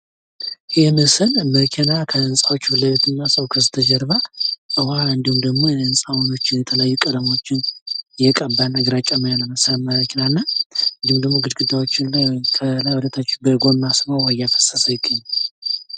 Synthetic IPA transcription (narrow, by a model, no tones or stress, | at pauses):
jɛhmɨsɨlməkʰenakʰəɨnsʼawot͡ʃːbɨlːəβet̪ʰɨnːasʼəwkʰɨsɨt̪ʰəd͡ʒɛɾβaɨwaɨnd̪ihumd̪əɡmo̞ɛɨnsʼawono̞t͡ʃːɪnjɛt̪ʰələajːukʼələmo̞t͡ʃːɪnjɛkʼəbːanaɡɨɾat͡ʃʼamajnəməsaməɾəkʲʰenanːaɨnd̪ihumd̪əɡmo̞ɡɨd̪ɡɨd̪ːawo̞t͡ʃːɪnkʰəlajwulət̪ʰat͡ʃːɪnbəɡo̞mːasmawwəjafə̥sːəsəjɪkʼːiɲː